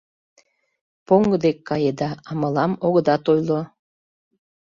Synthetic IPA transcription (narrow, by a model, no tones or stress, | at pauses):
poŋɡəd̪ekːɑjed̪ɑɑməlɑmoɣə̆d̪ɑt̪ojlo